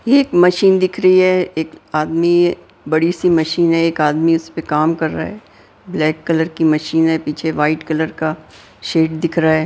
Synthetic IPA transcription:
jeːkmɐʃiːnd̪ɪkʰɾɐɦiɦɛeːkaːd̪mi | bɐɽisimɐʃiːnɦɛeːkaːd̪miʊspekaːmkɐɾːa̰ɦɛː | blɛːkːɐləɾkimɐʃiːnɦɛpiːt͡ʃʰeʋaːɪʈkɐləɾka | ʃeːʈ̚d̪ɪkʰɾaɦɛː

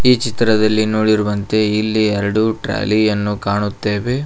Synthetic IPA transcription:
iːt͡ʃit̪ɾɐd̪ɐlːinoːɽiɾuʋɐnt̪e̞ilːiɛɾɐɽuʈɾa̰ːlijɐnːukaːɳut̪ːeːʋe̞

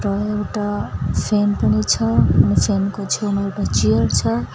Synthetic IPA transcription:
ʈʌekʈapʰenpʌnit͡sʰʌnipʰenkot͡ʃʰʌnewʈat͡ʃijʌɾt͡sʰʌ

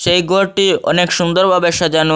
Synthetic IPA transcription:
ʃejɡʱoɾʈiɔ̰nekʃund̪oɾbabeʃad͡ʑanu

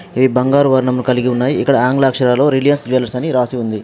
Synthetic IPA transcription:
ʋibɐŋɡaːɾuʋɐɾɳɐmːnukɐliɡiunːaːjiːkːɐɽɐaːŋɡlaːkʂɐɾaːlo̞ːɾilijɐnsd͡ʒʋɛːlɐɾsɐniɾaːsiund̪i

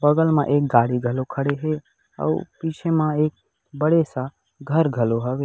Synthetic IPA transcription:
bɐɡəlmãʔeːk̚ɡaːɽiɡʱɐlokʰəɽeɦɛ | ɔ̰ːpit͡ʃʰemãeːk̚ | bəɽesa | ɡʱəɾɡʱɐloɦɐʋeː

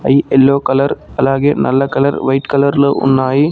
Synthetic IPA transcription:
ɐɪɛlːoːkɐlɐɾɐlaːɣɪɐnʔɐlːɐkɐlɐɾʋɐɪʈkɐlɐɾlɯʊ̰nːaːji

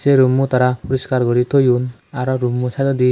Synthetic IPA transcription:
seɾumːut̪aɾapɔɾiskaɾɡɔɾit̪ʰojunaɾɔɾumːusad̪ɔd̪i

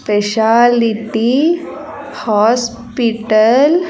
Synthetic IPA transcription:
peɕaliʈi | hɔs | piʈəl

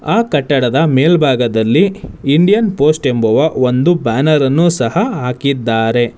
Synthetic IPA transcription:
aːkɐʈːɐɽɐd̪ɐmeːlbʱaːɡɐd̪ɐlːiːɳɖijɐnpo̞ːsʈe̞mbɐʋɐo̞nd̪ubaːnɐɾɐnːuːsɐhɐɦaːkid̪ːaːɾe̞

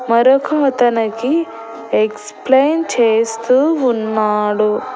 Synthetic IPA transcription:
mɐɾokɐt̪ɐnɐki | eksplejnt͡ʃeːst̪uːnːaːɽu

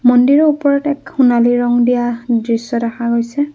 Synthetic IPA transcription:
mɔndiɹɔupɔɹɔtɛkxunaliɹɔŋdijadɹisːɔdaxaɡojsɛ

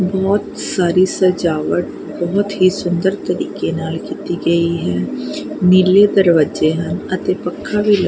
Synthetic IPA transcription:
bɔːt̪saːɾisɐd͡ʒaːʋəʈ̚ | bɔɦʊt̪ɦisʊ̃nd̪əɾt̪ɐɾḭːkenaːlkit̪iɡɐiɦɛ | nɪled̪əɾʋəd͡ʒeɦɐ̃nɐt̪epəkʰːabʱilɐ

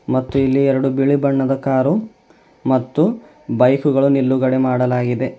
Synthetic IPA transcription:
mɐt̪ːuilːiɛɾɐɽubiɭibɐɳːɐd̪ɐkaːɾu | mɐt̪ːu | bɐjkuɡɐɭunilːuɡɐɽemaːɽɐlaːɡid̪e̞

